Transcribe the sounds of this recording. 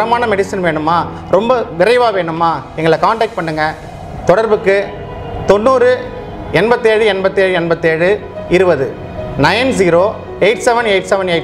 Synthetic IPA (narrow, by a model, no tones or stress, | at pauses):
ɐmaːnɐmɛɽɪsɪnʋeːɳɯmːaː | ɾɔmbɐʋɪɾɐɪʋaːʋeːɳɯmːaːɛŋɡɐɭɐkaːɳʈɐːk̚ʈ̚pɐɳːɯŋɡɐ | t̪ɔɽɐɾbɯkːɯ | t̪ɔnːuːɾɯ | ɛnbɐt̪ːeːɻɯɛnbɐt̪ːeːɻɯɛnbɐt̪ːeːɻɯ | ɪɾɯbɐðɯ | nɐjns̬iːɾoː | ɛɪʈsɛʋɐnɛɪʈsɛʋɐnɛɪʈ